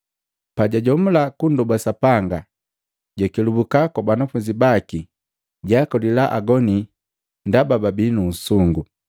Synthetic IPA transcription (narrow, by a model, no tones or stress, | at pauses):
paɟaɟɔm̩lakundɔbasapaŋɡa | ɟakilubukakabanafuɲd͡ʒibaki | ɟakɔlilaʔaɡɔni | ndabababinun̩suŋɡu